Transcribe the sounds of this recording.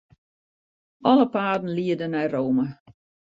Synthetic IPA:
ʔɔləpaːdn̩liədənɛjroːmə

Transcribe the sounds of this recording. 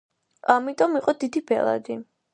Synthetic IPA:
amit̪ʼɔmiqʼɔd̪id̪ibɛ̰lˠa̰d̪i

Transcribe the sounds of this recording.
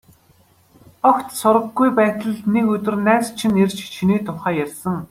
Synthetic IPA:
ɔkt̪sʊɾə̆ɡːujpæːt̪ə̆ɮnekɵt̪ɵ̆rnæːt͡st͡ɕʰĭnert͡ɕt͡ɕʰiniːt̪ʰʊχæːjærsə̆ŋ

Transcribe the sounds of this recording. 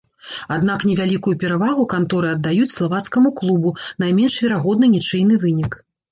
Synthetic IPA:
ad̪naknʲɛvʲalʲikujupʲɛɾavaɣukant̪ɔɾɨɐd̪ːajut͡sʲslˠavat̪skɐmuklˠubunajmʲɛnʂvʲɛɾaɣɔd̪nɨnʲit͡ʂɨjnɨvɨnʲik

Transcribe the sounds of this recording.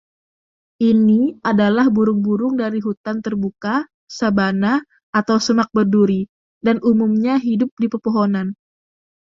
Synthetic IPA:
ʔiniʔadalahbuɾʊŋbuɾʊŋdaɾiɦut̪ant̪ərbuka | sabana | at̪awsəmak̚bərduɾi | danumumɲaɦidʊp̚dipərpoɦonan

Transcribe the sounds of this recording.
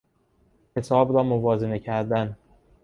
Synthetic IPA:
ce̞sɒːbɾɒːmovɒːzene̞cʰæɾd̪æn

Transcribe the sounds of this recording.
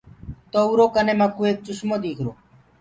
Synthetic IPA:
t̪oːuːɾoːkəneːməkuːeːk̚t͡ʃʊʃmoːd̪iːkʰɾoː

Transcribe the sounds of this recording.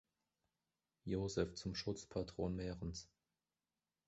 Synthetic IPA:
joːzɛft͡sʊmʃʊt͡spʰatʁ̥oːnmɛːʁəns

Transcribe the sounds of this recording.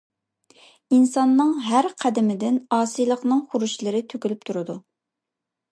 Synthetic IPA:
insɑnːɨŋɦæɾqʰæd̪ɪmɪd̪ɪnɑːsɨjlˠəqnɨŋχʊɾuʃlˠɨɾɪt̪ʰøkʲylyp̚t̪ʰuɾɨd̪u

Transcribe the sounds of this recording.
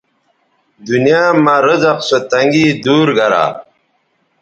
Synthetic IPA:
d̪unijaːmɐɾəzɐqsot̪ɐŋɡiːd̪uːɾɡɐɾa̰ː

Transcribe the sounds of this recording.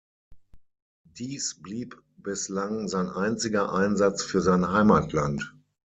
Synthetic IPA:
d̥iːsb̥liːp | b̥ɪslaŋzaɪnʔaɪnt͡sɪɡɐʔaɪnzat͡sfyːɐzaɪnɦaɪmatʰlant

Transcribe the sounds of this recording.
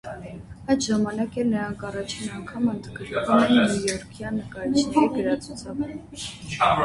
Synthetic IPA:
ɑjd̪ʒɑmɑnɑkɛlnəɾɑŋkɑrɑt͡ʃʰinɑŋkʰɑmənd̪ɡəɾkvumɛnujɔɾkʰjɑnːəkɑɾit͡ʃʰniɛɡəɾɑt͡sʰut͡sʰɑv

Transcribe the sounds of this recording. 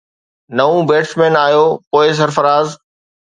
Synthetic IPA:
nɐʋũbeːʈsmẽːnaːjoːpoːɪs̬ɐɾfəɾaːz

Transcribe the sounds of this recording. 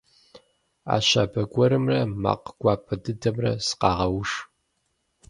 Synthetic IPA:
a̰ːɕa̰ːbɐɡʷɔɾɨmrɐma̰ːqɡ̥ʷɑːpʰɐdɨdɐmrɐ̰sɨ̥qɑːʁɐwʂ

